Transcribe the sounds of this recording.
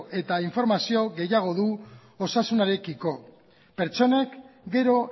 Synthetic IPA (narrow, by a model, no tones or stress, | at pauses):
ʔe̞t̪aiɱfo̞ɾmasio̞ɣe̞jaɣ̞o̞ðu | osasunaɾe̞kiko̞ | pe̞ɾt͡ʃo̞ne̞kɡe̞ɾo̞